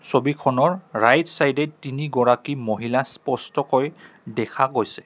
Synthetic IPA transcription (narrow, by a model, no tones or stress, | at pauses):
sobikʰɔnɔɹɹajtsajdɛtiniɡɔɹakimoɦilaspɔstɔkɔj | dɛkʰaɡojsɛ̥